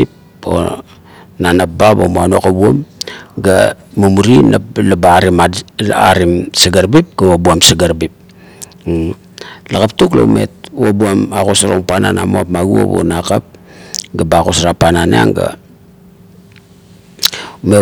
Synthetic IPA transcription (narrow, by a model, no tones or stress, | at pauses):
i | o̰ | nanababomuanokabuomɡamumuɾinaplabaɾimaa̰ɾimsaɡaɾbip̚ɡ̥awabuamsaɡaɾbip̚ | lakap̚tuklo̰ume̞̰tuwabuamakosaɾoŋpananamoapmaɡuo̰βuo̰nakap̚ɡabakosaɾapananea̰ŋɡa̰ | me